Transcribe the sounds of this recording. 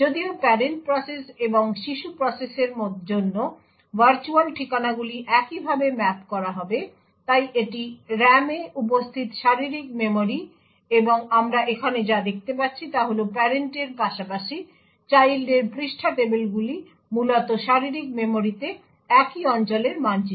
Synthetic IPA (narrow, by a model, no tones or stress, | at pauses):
d͡ʑod̪iopɛɾeɳʈ̚pɾɔseseboŋʃiʃupɾɔseseɾmot̪d͡ʑonːo | baɾt͡ɕuanʈʰikanaɡuliʔɛkibʱabemɛpkɔɾaɦɔbe | t̪ajʔeʈiɾɛmeup̬ost̪ʰit̪ʃaɾiɾikmemoɾi | eboŋamɾaʔekʰaned͡ʑad̪ek̚ʰt̪epatːɕʰit̪aɦolopɛɾeɳʈeɾpaʃapaʃi | t͡ɕajlɖeɾpɾiʃʈʰaʈebelɡuli | mulot̪oʃaɾiɾik̚memoɾit̪e | ɛkiɔnt͡ɕoleɾmand͡ʑi